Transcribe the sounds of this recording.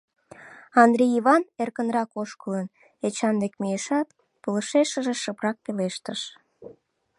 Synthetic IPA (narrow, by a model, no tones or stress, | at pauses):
ɑnd̪ɾʲijiβɑnerkənrɑkoʃkələn | et͡ɕɑnd̪ekmijeʃɑt̪ | pələʃeʃəʒeʃəprɑk̚peleʃt̪əʃ